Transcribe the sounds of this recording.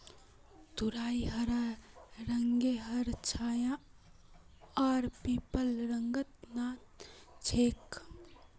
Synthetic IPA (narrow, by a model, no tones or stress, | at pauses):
d̪uɾaːiɦəɾaɾəŋɡeɦəɾt͡ʃʰaːjã | aːɾpiːpəlɾəŋɡət̪naːt̪̚t͡ʃʰeːk